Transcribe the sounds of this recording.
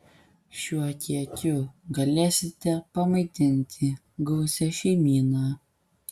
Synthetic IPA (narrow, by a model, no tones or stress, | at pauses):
ʃʲuɔkʲiɛkʲʊɡɐlʲeːsʲɪt̪ʲɛpɐmɐɪt̪ʲɪnʲt̪ʲʰɪ | ɡɐʊsʲɛʃʲɛɪmʲiːnaː